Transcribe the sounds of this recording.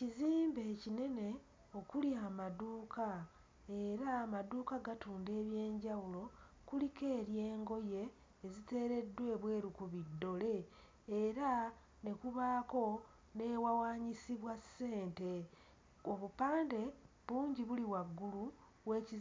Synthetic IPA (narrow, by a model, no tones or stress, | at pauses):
iziːmbe̞ːcine̞ne̞ | o̞kuliaːmaduːkʰa | e̞ɾaːmaduːkaɡatuːnde̞ːβje̞ːɲɟawulo̞ | kulike̞ːɾje̞ːŋɡo̞je̞ː | zite̞ːɾe̞dːwe̞ːβwe̞ːɾukuβidːo̞le̞ː | ɾa | ne̞kuβaːko̞ | ne̞ːwawaːɲisiβwasːe̞ːnte̞ | oβupaːnde̞ | βuːɲɟiβuliwaɡːulu | we̞ːci